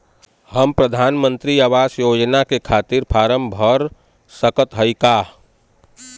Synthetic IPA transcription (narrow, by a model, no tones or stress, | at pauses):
həmpɾəd̪ʱaːnmə̃nt̪ɾiaʋaːsjoːd͡ʒnakekʰaːt̪ɪɾpʰaːɾəmbʱəɾ | səkət̪ɦəikaː